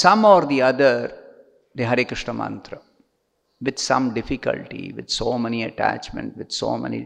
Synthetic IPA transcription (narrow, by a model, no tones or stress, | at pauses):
sʌ̃mɔːɾd̪iɐd̪əɾ | d̪eːɦɐɾeːkɾɪʂɳəmɐ̰̃nt̪ɾə | ʋɪd̪sʌ̰̃mɖɪfikə̰lʈḭʋɪd̪soːmɛniɐʈæ̰t͡ʃmə̰̃ɳʈʋɪd̪so̰ːmɛ̰nḭ